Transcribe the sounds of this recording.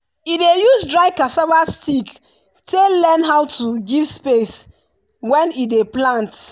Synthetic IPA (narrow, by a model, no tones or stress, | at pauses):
idejusdɹaɪkasɔvastik | telɛ̃nɦawtʰuɡivspes | wɛ̃nideplãnt